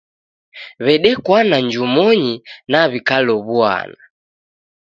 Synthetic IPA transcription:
βɛɗɛkwanaɲd͡ʒumɔɲinaβikalɔβua̰na

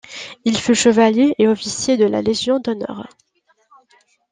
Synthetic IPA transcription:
ilfyʃəvaljeʔeɔfisjed̪əla̰leʒjɔ̃d̪ɔnɔ̰ːʁ

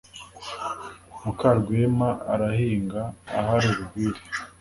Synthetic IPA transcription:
mukaɾɡwemaaɾahiːŋɡaːhaɾuɾuɡiɾi

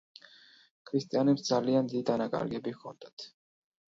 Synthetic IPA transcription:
kʰɾist̪ʼijanɛpsd̪zaliand̪id̪id̪anakʼa̰ɾɡɛbikʰɔnd̪at̪ʰ

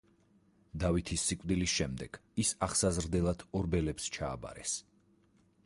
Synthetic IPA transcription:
d̪avit̪ʰisːikʼd̪ilisʃɛmd̪ɛɡ̥isaχsazɾd̪ɛlˠad̪̥ʰɔɾbɛlɛpst͡ʃʰa̰ːba̰ɾɛs

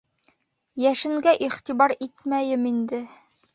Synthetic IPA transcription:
jæʃɘ̆ŋɡæʔiχt̪ibɑɾit̪mæjɘmind̪ɘ

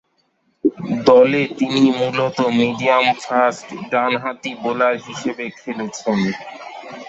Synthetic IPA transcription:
d̪ɔlet̪inimulot̪omiɖiamfasʈɖanɦat̪ibolaɾɦiʃebekʰelet͡ɕʰen

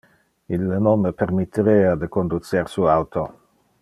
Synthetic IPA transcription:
ilːənonmːəpeɾmit̪ʰːiɾeːad̪əkond̪ut̪seɾsuawt̪ʰo

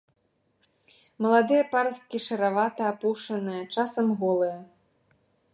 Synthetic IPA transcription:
mɐlˠad̪ɨjɐpaɾɐst̪̚kʲiʂɐɾavat̪ɐapuʂɐnɨjɐt͡ʂasɐmɣɔlˠɨjɐ

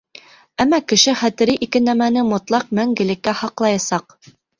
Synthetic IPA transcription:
æmːækɘ̆ʃɘχæt̪ɘ̆ɾɘʔikɘnæmænɘmŏt̪lˠɑq̚mæŋɡɘ̆lɘ̆kːæhɑqlˠɑjɑsɑq

